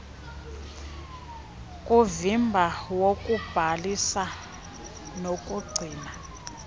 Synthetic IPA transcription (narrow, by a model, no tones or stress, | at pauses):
kʼuvimbʱawokʼub̥ʱalisa | nokʼuɡ͡ǀʱiːna